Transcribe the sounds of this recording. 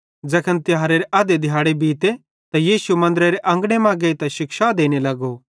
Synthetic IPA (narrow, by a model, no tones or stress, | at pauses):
d͡ʒɐkʰənt̪ɪaːɾeɾeʔɐd̪ed̪ʱɪjaːɽebiːt̪e | t̪ajiːsumɐ̃nd̪əɾeɾeʔɐ̃ŋɡɽ̃emãːɡeit̪ɛʃɪkʃad̪eːñelɐɡo